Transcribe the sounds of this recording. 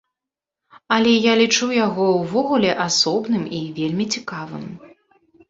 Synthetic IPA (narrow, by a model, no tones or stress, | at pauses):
ɐlʲɛjalʲit͡ʂuwjaɣɔwvɔɣulʲɛʔasɔbnɨmivʲelʲmʲit͡sʲikavɨ̰m